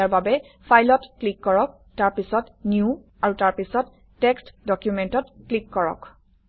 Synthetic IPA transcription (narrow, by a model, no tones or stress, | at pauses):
aɹbabɛ | pʰajlɔtklikːɔɹɔk̚ | taɹpisɔtnju | aɹutaɹpisɔtː | ɛkstdɔkjumɛntɔtklikːɔɹɔ̰k